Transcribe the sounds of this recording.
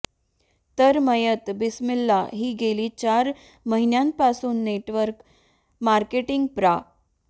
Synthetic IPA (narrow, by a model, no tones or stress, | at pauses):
t̪əɾməjət̪bismilːa̰ɦiːɡeliːt͡ɕaɾ | məɦinjãmpasuːnːeʈʋəɾk | maɾkeʈiŋɡ̚pɾa